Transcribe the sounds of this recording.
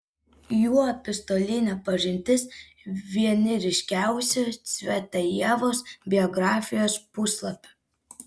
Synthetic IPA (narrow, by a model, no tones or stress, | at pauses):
juːɐpʲɪst̪oːlʲɪnʲɛpɐʒʲɪnʲt̪ʲɪs | ʋʲiɛnʲɪɾʲɪʃʲkʲæˑʊsʲɛsʲʋʲɛt̪ɐjɛʋoːsbʲɪɔɡɾɑːfʲɪjoːspʊslˠɐpʲɛ̥